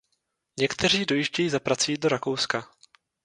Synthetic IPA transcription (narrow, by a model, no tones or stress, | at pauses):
ɲɛkt̪ɛr̝iːdo̞jiʒɟɛjiːzapɾat͡sujiːdo̞ɾakowska